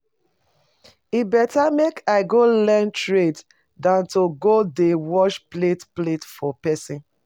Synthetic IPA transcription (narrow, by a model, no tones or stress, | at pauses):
ibɛtamekʰaɪɡolɛ̃ntɹet | dãntoɡodewɔʃpletpletfɔpɛsĩn